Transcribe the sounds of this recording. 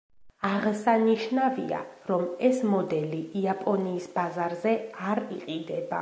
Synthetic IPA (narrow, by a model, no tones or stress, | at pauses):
aʁsaniʃnavia̰ɾɔmɛsmɔd̪ɛliːapʼɔniːsbazaɾzɛaɾiqʼid̪ɛba